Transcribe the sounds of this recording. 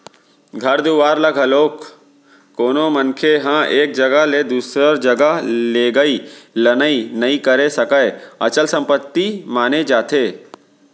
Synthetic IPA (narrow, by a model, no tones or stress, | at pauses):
ɡʱɐɾd̪uːʋaːɾlɐɡʱɐloːkː | oːnomɐnkʰeɦãːʔeːk̚d͡ʒɐɡəled̪uːsɾəɾd͡ʒɐɡəleːɡəilɐnəinɐĩkɐɾesɐkəeɐt͡ʃəlsɐ̃mpət̪ːimaːned͡ʒaːt̪ʰeː